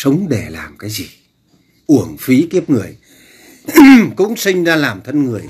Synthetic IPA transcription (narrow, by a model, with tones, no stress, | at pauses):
sə˨˦wŋ͡mɗe˧˩la̰ː˨˩mkaː˨˦jzi˨˩ | ʔu˧˩əŋfi˨˦k̪i˦˥əp̚ŋɨ˨˩əj | kʊ̰˧˥ŋ͡msï˧ŋ̟zaː˧laː˨˩mt̪ʰə˧nŋɨ˨˩əj